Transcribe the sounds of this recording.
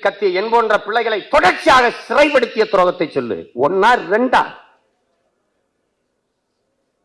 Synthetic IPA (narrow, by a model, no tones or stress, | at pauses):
kːɐt̪ːɪjɐɛnboːndrɐpɪɭːɐɪɣɐɭɐɪt̪ːɔɽɐɾt͡ʃːaːɣɐsɪrɐɪpɐɽɯt̪ːɪjɐt̪ɪɾoːɣɐt̪ːɐɪt͡ʃːɔlːɯ̰ɔnːaːɾɾɛɳɖa̰ː